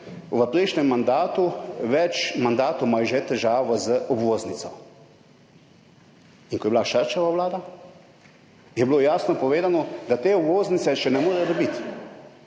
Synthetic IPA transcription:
ʋəpɾɛjʃnɛmːand̪aːt̪uʋɛt͡ʃmand̪aːt̪omajʒɛt̪ɛʒaːʋɔzəʔɔbʋoːznit̪sɔ̰ | iŋkɔjɛbilaʃəɾt͡ʃaʋawlaːd̪a | jɛbloːjaːsnɔpɔʋeːd̪anɔd̪at̪eːɔbʋoːznit̪sɛʃɛnɛmoːɾɛjd̪ɔbit̪

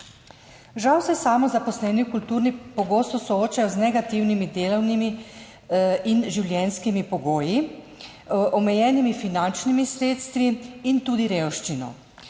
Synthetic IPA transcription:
ʒawsɛsaːmɔzapɔslɛːnikult̪uːɾnipɔɡoːst̪ɔsɔoːt͡ʃajɔznɛɡat̪iwnimid̪eːlɔwnimi | inʒiwljɛnskimipɔɡoːji | ʔɔmɛjɛːnimifinant͡ʃnimisɾeːt̪st̪ʋiint̪uːd̪iɾewʃt͡ʃinɔ̰

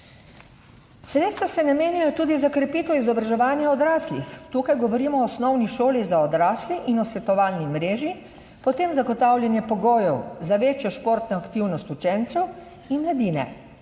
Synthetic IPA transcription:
sɾet̪st̪ʋasɛnameːnijɔt̪uːd̪izakɾɛpiːt̪ɔizɔbɾaʒɛʋaːnjɛɔd̪ɾaːslixt̪uːkajɡɔʋɔɾiːmɔːsnɔwniʃoːlizaɔd̪ɾaːsliʔinɔsʋɛt̪ɔʋaːlnimɾeːʒi | pɔt̪eːmzaɡɔt̪aːwlʲjanjɛpɔɡoːjɔwzaʋeːt͡ʃjɔʃpoːɾt̪nɔakt̪iwnɔst̪ut͡ʃɛnt̪sɛw | inmlad̪iːnɛ̰

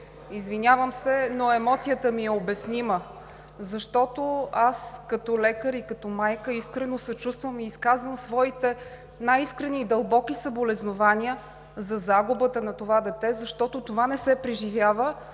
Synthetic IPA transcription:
izvinʲavəmsɛnoɛmɔt̪sijət̪əmiɛobɛsnimə | zɐʃt̪ɔt̪oaskɐt̪ɔlɛkəɾikɐt̪ɔmajkəiskɾɛnosɐt͡ʃust̪vəmiːskazvəmsvɔit̪ɛ | najiskɾɛniːd̪ɐlˠbɔkisɐbolɛznovanʲiə | zɐzaɡʊbət̪ənɐt̪ovad̪ɛt̪ɛzɐʃt̪ɔt̪ot̪ovanɛsɛpɾiʒivʲjavə

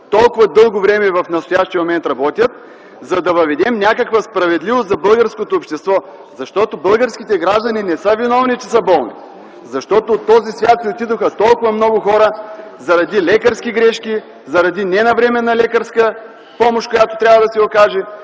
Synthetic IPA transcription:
t̪ɔlˠkʊvɐd̪ɤlˠɡovɾɛmɛvɐfnɐst̪ʊjaʃt̪ijəmomɛnt̪ɾɐbɔt̪ʲjət̪̚ | zɐd̪ɐvɐvɛd̪ɛmnʲakəkvəspɾɐvɛd̪livost̪zɐbɤlˠɡəɾskot̪oːpʃt̪ɛst̪vɔ | zɐʃt̪ɔt̪obɤlˠɡəɾskʲit̪ɛɡɾaʒd̪ɐninɛsəvinɔvnit͡ʃɛsɐbɔlˠnḭ | zɐʃt̪ɔt̪ot̪ːɔzisvʲat̪sɛot̪id̪oxət̪ɔlˠkʊvɐmnɔɡʊxɔɾəzɐɾɐd̪ilɛkəɾsk̟iɡɾɛʃkʲi | zɐɾɐd̪inɛnɐvɾɛmɛnːɐlɛkəɾskə | pɔmoʃtkojat̪o̥t̪ɾʲavɐd̪ɐsɛokaʒɛ

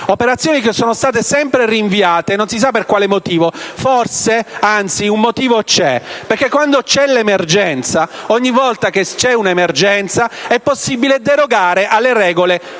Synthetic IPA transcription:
opeɾat̪sːjoːnikesoːnost̪aːt̪esɛmpɾeriɱviaːt̪enonsis̬apːerkwaːlemot̪iːvoforseant̪siumːot̪iːvot͡ʃɛperk̟ekːwand̪ot͡ʃɛlemerd͡ʒɛnt̪saɔɲːivːɔlt̪ak̟et͡ʃɛunemerd͡ʒɛnt̪saɛpːosːibiled̪eɾoɡaːɾeʔalːeɾɛːɡole

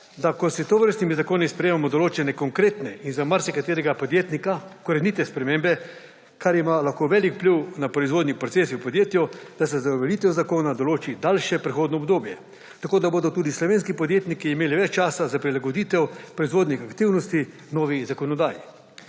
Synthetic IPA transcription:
d̪akɔsit̪oʋəɾst̪nimizakoːnispɾɛjeːmamɔd̪oloːt͡ʃɛnɛkɔŋkɾeːt̪nɛinzamaɾsɛkat̪eːɾɛɡapɔd̪jeːt̪nikakoɾɛnit̪ɛspɾɛmẽmbɛ | kʰaɾimaːlaxkoːʋɛlikpliwnapɾɔizʋoːd̪nipɾot̪seːsiwpod̪jeːt̪jɔd̪̥as̬ɛzaʋɛlit̪ɛwzakoːnad̪oloːt͡ʃid̪alʃɛpɾixoːd̪nɔːbd̪oːbjɛ | t̪akoːd̪aboːd̪ɔt̪uːd̪islɔʋeːnskipɔd̪jeːt̪nikiːmeːliʋɛt͡ʃt͡ʃaːsazapɾilaɡod̪iːt̪ɛwpɾɔizʋoːd̪nixakt̪iwnɔst̪i | nɔːʋizakɔnɔd̪aːjḭ

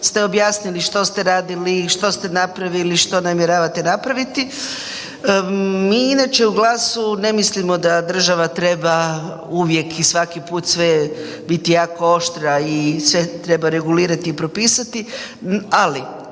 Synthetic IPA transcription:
st̪e̞o̞bjaːsniliʃt̪o̞st̪e̞ɾaːd̪iliʃt̪o̞st̪e̞napɾaʋiliʃt̪o̞namjeɾaːʋat̪enapɾaʋit̪i | miːinat͡ʃe̞uɡlˠaːsune̞mislimo̞d̪ad̪r̩ʒaʋat̪ɾe̞ba | uʋje̞kʰisʋakipuːt̪sʋe | bit̪ijaːko̞o̞ʃt̪ɾiaisʋet̪ɾe̞baɾe̞ɡuliːɾat̪iːpɾopiːsat̪i | ali

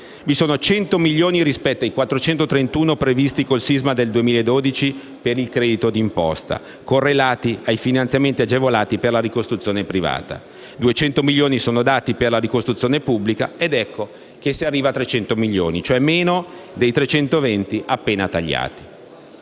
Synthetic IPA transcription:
visoːnot͡ʃɛnt̪omiʎːoːniɾispɛt̪ːoajkwat̪ːɾot͡ʃɛnt̪ot̪ɾent̪uːnopɾevist̪ikolsizmad̪eld̪uemiːlaed̪ːoːd̪it͡ʃi | peɾilkɾɛːd̪it̪od̪impɔ̰st̪a̰ | korːelaːt̪iajfinant̪jament̪iad͡ʒevolaːt̪iperlaɾikost̪ɾut̪sːjoːnepɾiva̰ːt̪a̰ | d̪uet͡ʃɛnt̪omilːoːnisoːnod̪aːt̪iperlaɾikost̪ɾut̪ːjoːnepubːlikaed̪ɛkːo | k̟esːiarːiːvat̪ːɾet͡ʃɛnt̪omiʎːoːnit͡ʃoɛmːeːnod̪ejt̪ɾet͡ʃɛnt̪ovɛnt̪iʔapːeːnat̪aʎːa̰ːt̪i̥

